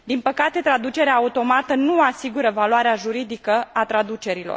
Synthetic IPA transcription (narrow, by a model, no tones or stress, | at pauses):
d̪inpəkat̪e̞t̪ɾad̪ut͡ʃe̞ɾeaːut̪o̞mat̪ənuasiɡuɾəvaloaɾeaʒuɾid̪ikəat̪ɾad̪ut͡ʃe̞ɾilo̰r